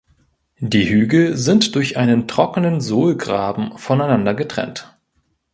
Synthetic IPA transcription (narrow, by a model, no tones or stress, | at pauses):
d̥iːhyːɡl̩zɪntd̥ʊɐçʔaɪnəntʁ̥ɔkənənzoːlɡʁaːbm̩fɔnaɪnandɐɡətʁ̥ɛ̰nt